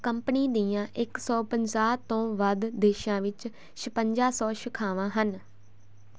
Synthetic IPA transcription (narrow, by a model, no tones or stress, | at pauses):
kəmpniːd̪iːãːʔɪksɔːpəɲzaːt̪õːʋəd̪d̪eːʃãːʋɪt͡ʃ | ʃəpəɲd͡ʒaːsɔːʃɪkʰaːʋãːɦən